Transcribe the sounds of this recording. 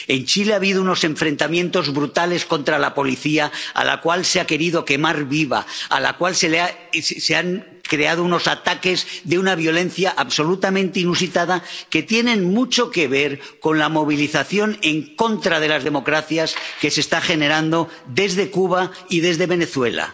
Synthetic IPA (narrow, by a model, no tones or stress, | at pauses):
e̞nt͡ʃileaβiðouno̞se̞ɱfɾe̞nt̪amjẽ̞nt̪o̞zβɾut̪ale̞sko̞nt̪ɾalapo̞liθiaa̰la̰kwalseake̞ɾiðo̞ke̞maɾβiβa̰a̰la̰kwalsela | seaŋ | kɾe̞að̞ouno̞sat̪ake̞zðeunaβjolẽ̞n̟θjaʔaβso̞lut̪amẽnt̪einus̬it̪aðake̞t̪je̞nẽ̞nmut͡ʃo̞ke̞β̞e̞ɾko̞nlamo̞β̞iliθaθjo̞ne̞ŋko̞nt̪ɾað̞e̞lazðe̞mo̞kɾaθjaske̞se̞st̪axe̞ne̞ɾand̪o̞ | d̪e̞zðe̞kuβ̞a | ið̞e̞zðe̞βe̞ne̞θwe̞̰la̰